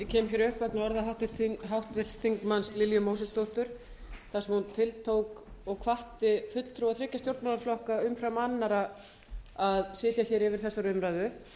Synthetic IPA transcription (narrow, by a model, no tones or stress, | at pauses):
cʰɛːmçjɛɾʏhkvɛknaɔɾðaɦawt̪ɦawht̪vɪlst̪ʰiŋkmanslɪljʏmowsɛst̪owht̪ʏɾ̥ | θasɛmhunt̪ʰɪlt̪ʰowkɔɣkʰvaht̪ɪfʏt̪l̥t̪ʰɾuwaðθɾɪcːast̪jowɾt̪manaɾflɔhkaʏmfɾamanːaɾa | aðsɪːt̪jaçɛɾɪvɪɾ̥θɛsːaɾʏmɾajðʏ